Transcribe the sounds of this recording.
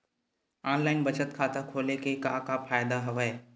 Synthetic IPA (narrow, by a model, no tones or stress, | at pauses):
ɔːnlaːɪnbɐt͡ʃət̪kʰaːt̪akʰoːlekekãːkafaːjd̪aɦɐʋə